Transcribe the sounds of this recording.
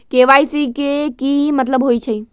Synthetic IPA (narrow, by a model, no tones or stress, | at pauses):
keʋajsikekimət̪̬ləbɦojt͡ʃʰəj